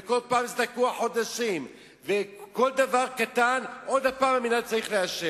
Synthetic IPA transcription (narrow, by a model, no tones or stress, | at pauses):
eko̞lpaːmizd̪akuaħo̞d̪aʃim | veko̞ld̪avaʁkat̪anʔo̞d̪hapaːmaminad̪̚t͡saʁiχleaʃe